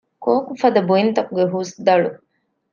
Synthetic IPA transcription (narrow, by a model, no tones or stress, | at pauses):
koːkufɐd̪ɐbuint̪ɐkuɡeɦuːsd̪ɐɭu